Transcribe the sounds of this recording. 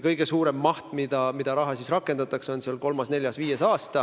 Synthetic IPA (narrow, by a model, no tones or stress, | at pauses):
kɤjɡ̥e̞suːɾe̞mːɑht̪mid̪̥ɑmid̪̥ɑɾɑɦɑsisrɑkːˑe̞nd̪̥ɑt̪ˑɑkso̞nseɑlko̞lmɑsne̞lʲjɑsviːje̞sɑːst̪ɑ